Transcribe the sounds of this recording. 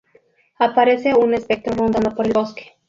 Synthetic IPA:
apaɾɛsɛunɛspek̚t̪ɾoɾond̪anapɔɾilʲɔski̥

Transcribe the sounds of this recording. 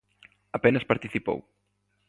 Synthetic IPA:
ɐpɛnɐspaɾt̪iθipo̰w

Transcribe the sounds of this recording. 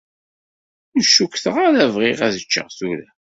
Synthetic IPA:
ʊʃukθəʁaɾævʁɪʁæðət͡ʃːə̰ʁθuɾæ

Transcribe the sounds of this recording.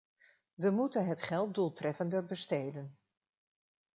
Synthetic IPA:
ʋəmutənɦətχɛlˠt̚dulˠtrɛfəndəɹbəstejdən

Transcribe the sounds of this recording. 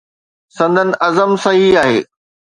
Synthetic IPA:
sɐ̃nd̪ʱənɪ̆ʔɐzəmsɐɦiaːɦḛː

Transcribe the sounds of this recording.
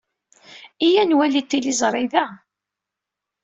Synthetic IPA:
ijænwælit̪ːilizˤɾˤɪðæ

